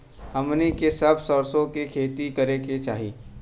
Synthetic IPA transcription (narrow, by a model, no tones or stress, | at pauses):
hɐmnikesɐbsɔːɾsõkikʰeːt̪ikɐɾeket͡ʃaːɦiː